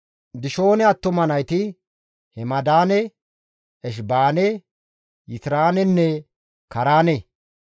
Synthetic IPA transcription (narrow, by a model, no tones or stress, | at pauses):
d̪ɪʃo̞ːnɛɐt̪ːɔmɐnɐjt̪ɪ | hɛmɐd̪aːnɛ | ɛʃ̬baːnɛ | jɪt̪ɾaːnɛnːɛ | kɐɾaːne